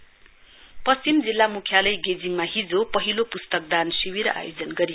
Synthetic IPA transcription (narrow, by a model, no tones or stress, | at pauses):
pʌst͡simd͡zilːamukʰjalʌjɡed͡ziŋmaɦid͡zopʌɦilopust̪ʌk̚d̪ansiwiɾa̰jod͡zʌnɡʌɾij